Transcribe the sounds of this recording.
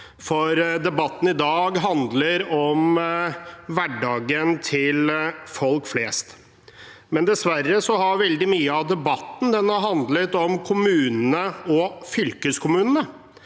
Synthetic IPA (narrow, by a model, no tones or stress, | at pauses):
fɔɾd̪ɛbɑt̪ːn̩ɪd̪ɑːɡɦɑnd̪ləɾɔm | ʋæɖɑːɡənt̪ʰɪlfɔlkfleːst̪ | mɛnd̪ɛsʋæɾːəsɔhɑɾʋɛld̪ɪmyːəɑd̪ɛbɑt̪ːn̩d̪ɛnːhɑɾɦɑnd̪lət̪ɔmkʰʊmʉːnənəɔfʏlkəskʰʊmʉːnənə